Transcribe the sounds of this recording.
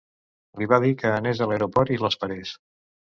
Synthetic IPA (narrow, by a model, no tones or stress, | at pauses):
liβaðikəːnezðələeɾopɔɾt̪iləspəɾes